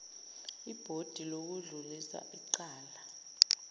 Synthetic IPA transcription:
ib̥ʱod̥ʱilok̬uɮulisa̰ʔiǃaːla

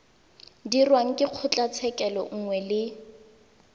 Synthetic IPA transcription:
dirwaŋ̩kʼɪq͡χʰʊt͡ɬʼat͡sʰɛkʼɛlɔ̰ŋ̩ŋwɛlɪ

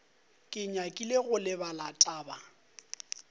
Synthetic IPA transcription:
kʼɪɲakʼileɣʊlɪbalatʼaːba

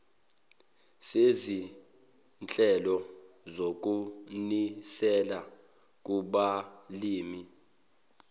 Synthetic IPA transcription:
sezi | nt͡ɬʼɛlɔ | zok̬ʼunisɛla | k̬ʼuɓaliːmi

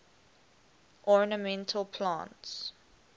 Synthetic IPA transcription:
ʔɔɹnəmɛ̃ntʰəlpʰlã̰nts

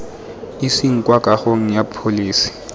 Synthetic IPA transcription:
isiŋ̩kʼwakʼaχoŋ̩japʰoliːsi̥

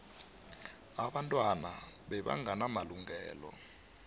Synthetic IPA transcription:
aɓantʼwanaɓɛɓa̰ŋʱanamaluŋɛːlɔ̰

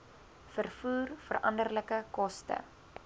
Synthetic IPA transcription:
fərfuːrfərʔɐ̰ndərləkəkɔstə̰

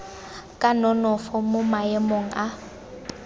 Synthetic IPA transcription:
kʼanɔnɔfɔmʊmaɛmoŋ̩ʔa

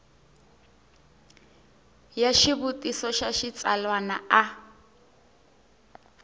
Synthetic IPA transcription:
jaʃiβutʼisɔʃaʃit͡sʼalwana̰a

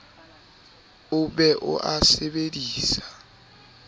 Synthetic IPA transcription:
ʊbɛʔʊ̰ʔasebediːsḁ

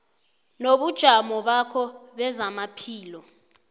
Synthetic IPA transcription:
noɓud̥ʒ̥ʱamɔɓakʰɔɓɛzamapʰiːlɔ

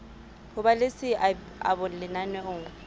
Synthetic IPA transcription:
hʊbalɪsɪ | a̰bʊlɪnanwɛʊːŋ

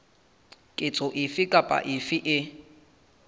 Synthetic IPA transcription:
kʼɪt͡sʼɔʔɪfɪkʼapʼa̰ʔɪfɪʔɪ

